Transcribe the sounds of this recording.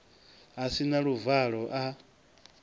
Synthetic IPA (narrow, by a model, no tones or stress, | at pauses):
asinaɺuvaɺɔʔa